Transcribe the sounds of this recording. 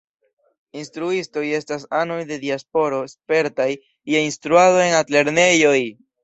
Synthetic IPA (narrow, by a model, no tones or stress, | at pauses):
instɾuisto̞je̞stasano̞jde̞diaspo̞ɾo̞spe̞ɾtaj | jeinstɾuado̞e̞natle̞ɾne̞jo̞j